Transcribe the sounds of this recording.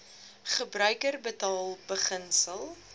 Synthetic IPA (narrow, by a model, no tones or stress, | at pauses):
χəbrœɥkərbətɑːlˠbəχənsəlˠ